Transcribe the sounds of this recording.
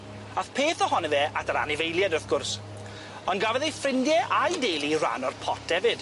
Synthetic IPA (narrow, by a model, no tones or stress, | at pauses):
aθpʰeːθɔhɔnɛvɛʔatʰaɾa̰nɪvejlˠjɛdɔθɡ̥ʊrs | ɔnɡavɛðejfrɪndjɛʔajdejlˠira̰nɔrpʰɔt̚ʰɛvɨd̥